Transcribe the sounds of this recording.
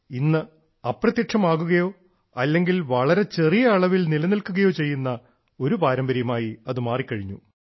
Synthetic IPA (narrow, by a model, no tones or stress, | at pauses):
inːɨ | ɐpːrɐt̪jiʈʂɐmaːɣuɣɐjo̞ː | ɐlːe̞ŋɡilʋɐɭɐɾe̞t͡ɕe̞rijɐːɭɐʋilnilɐnilkuɣɐjo̞ːt͡ɕe̞jːunːɐ | o̞ɾupaːɾɐmbɐɾjɐmaːjiɐðɨmaːrikʲːɐɻiɲːu